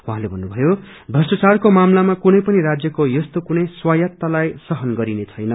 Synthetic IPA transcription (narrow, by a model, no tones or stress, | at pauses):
ũɦãlebʱʌnːubʱʌjo | b̪ʱʌsʌt͡sarkomamlamakunʌjpʌniɾad͡zjʌkojʌst̪okunʌjswajʌt̪ːalajsʌɦʌnɡʌɾinet͡sʰʌjnʌ